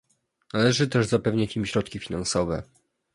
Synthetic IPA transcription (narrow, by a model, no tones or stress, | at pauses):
nalɛʐɘt̪ɛʐzapɛvɲat͡ɕimɕɾɔt̪kʲifʲinansɔvɛ̰